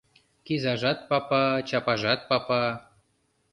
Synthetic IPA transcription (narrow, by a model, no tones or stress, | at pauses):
kizɑʒɑt̪̚pɑpɑt͡ɕɑpɑʒɑt̪̚pɑpɑ